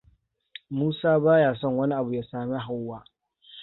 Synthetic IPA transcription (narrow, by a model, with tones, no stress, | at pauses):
muː˦saː˦baː˦jaː˨sɔ˦˨ŋwɐ˦ni˦ʔa˨bu˨jaː˦saː˨me˦ɦa˦wːaː˦